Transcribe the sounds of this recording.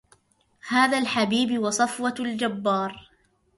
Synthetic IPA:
haːðaːlħabiːbwɑsˤɑfwɑld͡ʒabːɑːɾˤ

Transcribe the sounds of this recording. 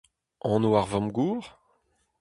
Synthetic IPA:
ɑ̃ːnoaʁvɔ̃mɡuːʁ

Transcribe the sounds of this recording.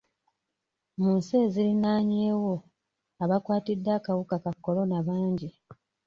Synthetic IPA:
muːnseːzilinaːɲeːwo̞ | aβakwaːtidːakawukakakːo̞lo̞naβaːɲɟi

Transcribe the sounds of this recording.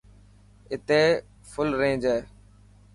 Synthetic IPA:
ɪt̪eː | fʊlɾẽːd͡ʒeː

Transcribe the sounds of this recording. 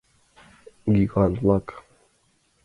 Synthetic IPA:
ɡiɡanlak

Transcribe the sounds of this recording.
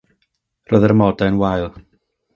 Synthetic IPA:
roːðərmɔdaənwajlˠ

